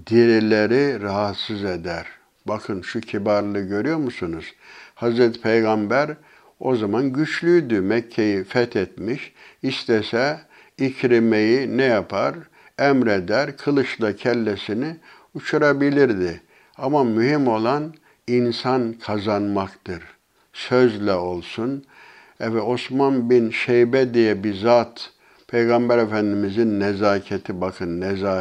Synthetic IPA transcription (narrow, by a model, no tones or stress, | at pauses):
d̪̥iɾilʲeɾiɾaɦat̪sɯzed̪æɾ | bakʰɯnʃucʰibaɾlˠɯɟø̞ɾyjo̞ɾmusunuz̥hazɾɛt̪ʰi̥pʰejɡambæɾ | o̞zamanɟyt͡ʃlʲyjd̪ymɛcʰːejifɛt̪ʰɛt̪̚miʃist̪ʰɛsɛ | icʰɾimejinɛjapʰaɾ | ɛmɾed̪æɾkʰɯlˠɯʃlˠacʰɛlʲːesinɪ | ut͡ʃʰuɾabilʲiɾd̪ɪ | amamyhimo̞lˠan | insankʰazanmakt̪ɯɾ | søzlʲɛo̞lˠsun | ɛvɛo̞smanbinʃɛjbɛd̪ijɛbizaːt̪ | pʰejɡambɛɾefænd̪imizinːɛzaːcʰɛt̪ʰibakʰɯnːɛzaː